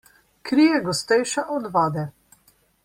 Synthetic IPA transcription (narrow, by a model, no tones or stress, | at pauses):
kɾijɛɡɔst̪ɛjʃaʔɔd̪ʋaːd̪ɛ